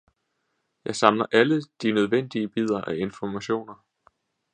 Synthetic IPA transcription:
jɑ̈ɪsɑ̈mlɐʔæləd̥inøð̞ˠʋen̰d̥iəb̥ið̞̰ˠɐʔæe̝nfɒmæɕo̝̰ːnɐ

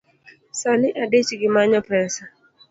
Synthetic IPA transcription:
saniʔadet͡ʃiɡimaɲɔpɛnsa

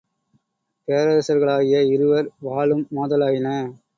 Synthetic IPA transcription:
peːɾɐɾɐsɐɾɣɐɭaːɣɪjɐɪɾɯʋɐɾʋaːɭɯmːaːðɐlaːjɪnɐ

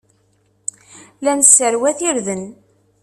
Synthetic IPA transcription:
lænəsːəɾwæθiɾðən

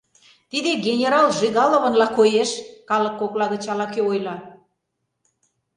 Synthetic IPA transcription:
t̪id̪eɡʲenʲeɾɑlʒiɣɑlŏβə̆nlɑkojeʃkɑlə̆kːoklɑɣə̆t͡ɕɑlɑkeojlɑ

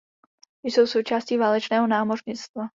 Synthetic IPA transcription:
jsowsowt͡ʃaːscivaːlɛt͡ʃnɛːɦonaːmorɲɪt͡st̪va

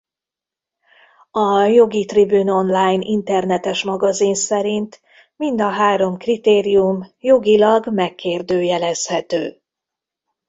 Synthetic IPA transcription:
ɒjo̞ɡit̪ribyno̞nlaːjnʔint̪ɛrnɛt̪ɛʃmɒɡɒzinsɛɾint̪ | mind̪ɒɦaːɾo̞mkrit̪eːɾijumjo̞ɡilɒɡmɛkʰːeːrd̪øːjɛlɛshɛt̪øː

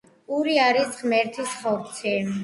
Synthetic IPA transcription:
uɾiaɾisʁmɛɾt̪ʰisχɔɾt̪sʰɛ

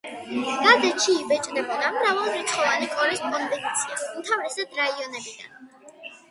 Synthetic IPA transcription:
ɡ̥ad̪ɛʃʰiːbɛt͡ʃʼd̪ɛbnamɾavalˠɾɛt̪sʰχɔvanikʼɔɾɛspʼɔnvɛnt̪sʰiasumt̪ʰavɾɛsad̪̥ɾaiɔnɛbid̪a̰n

